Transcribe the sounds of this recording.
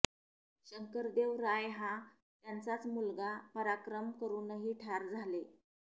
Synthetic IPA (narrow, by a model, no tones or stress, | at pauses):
ɕəŋkəɾd̪eʋɾajɦã | t̪jant͡sat͡smulɡapəɾakɾəmkəɾuːnəɦiːʈʰaɾd͡zʱale